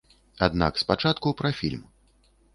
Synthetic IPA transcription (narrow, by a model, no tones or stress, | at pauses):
ad̪na̰kspat͡ʂat̪kupɾafʲḭlʲm